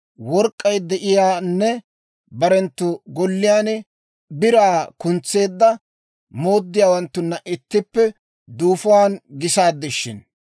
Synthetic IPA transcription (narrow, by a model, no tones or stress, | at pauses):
wɔɾkʼːɐjd̪ɛʔɪjaːnːɛ | bɐɾɛnt̪ːʊɡɔlːɪjaːn | bɪɾaːkʊnt͡sːe̞ːd̪ːɐ | moːd̪ːɪjaːwɐnt̪ːʊnːɐʔɪt̪ːɪpːɛ | d̪uːfɔwaːnɡɪsaːd̪ːɪʃːɪ̰n